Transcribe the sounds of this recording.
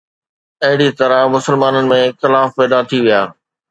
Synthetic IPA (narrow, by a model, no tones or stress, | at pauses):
ɐɦɪɽit̪ɐɾamʊsəlmaːnənɪ̆mẽxɪlaːfpɛːd̪at̪ʰiʋijaː